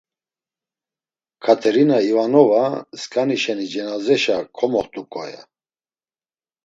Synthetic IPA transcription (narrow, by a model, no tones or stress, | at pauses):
kʰat̪ʰɛɾinaivanɔvaskʼaniʃɛnid͡ʒɛnazɛʃakʰɔmɔχt̪ʼukʼɔ̰ja̰